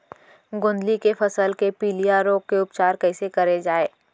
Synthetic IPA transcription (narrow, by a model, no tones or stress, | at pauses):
ɡʊ̃nd̪likefɐsəlkepiːlijaɾoːɡkeʊp̚t͡ʃaːɾkɛɪsekɐɾed͡ʒaːeː